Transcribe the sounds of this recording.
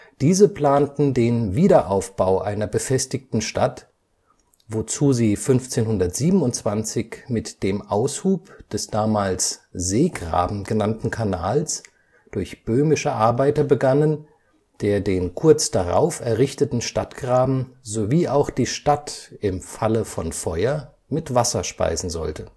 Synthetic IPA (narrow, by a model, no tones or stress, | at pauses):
d̥iːzəpl̥aːntn̩deːnviːdɐʔaʊfb̥aʊʔaɪnɐbəfɛstɪktn̩ʃtat | vot͡suːziːfʏnft͡seːnhʊndɐtz̥iːbm̩ʊntt͡sv̥ant͡sɪçmɪtd̥eːmʔaʊshuːpd̥ɛsd̥aːmaːlszeːɡʁa̰ːbm̩ɡ̥ənantn̩kʰanaːls | d̥ʊɐçb̥øːmɪʃəʔaɐbaɪtɐbəɡanən | d̥eːɐdeːnkʰʊɐt͡sd̥aʁa̰ʊfɛɐʁɪçtətn̩ʃtatɡ̥ʁaːbm̩zoviːʔaʊxd̥iːʃtatʔɪmfaləfɔnfɔʏɐ | mɪtv̥asɐʃpa̰ɪzn̩zɔ̰ltə